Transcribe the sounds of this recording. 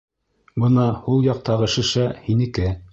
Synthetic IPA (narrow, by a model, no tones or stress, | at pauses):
bɤnɑhulˠjɑq̚t̪ɑʁɤ̆ʃɘ̆ʃæhinɘ̆kɘ